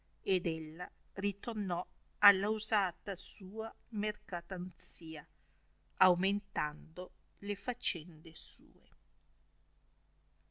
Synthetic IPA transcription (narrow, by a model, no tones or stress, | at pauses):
ed̪ɛlːarit̪ornɔ | alːauzaːt̪asuːa | merkat̪ant̪siːa | awment̪and̪o | lefat͡ʃːɛnd̪esṵːe